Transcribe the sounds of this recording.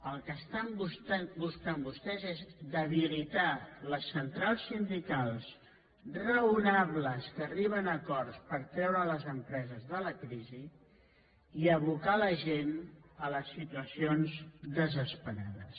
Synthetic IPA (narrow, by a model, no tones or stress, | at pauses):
əlˠkəst̪ambust̪ɛbuskambust̪ɛzezd̪əβilit̪aləsːənt̪ɾalˠsːind̪ikalˠs | rəunaβləskəriβənəkɔɾspəɾt̪ɾɛwɾələzəmpɾɛzəzðələkɾizi | iəβukaləʒenələsːit̪uəsionzd̪əzəspəɾa̰ðəs